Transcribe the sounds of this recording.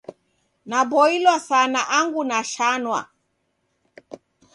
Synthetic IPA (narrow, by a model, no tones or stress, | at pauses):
nabɔilwasanaʔaŋɡunaʃanwa̰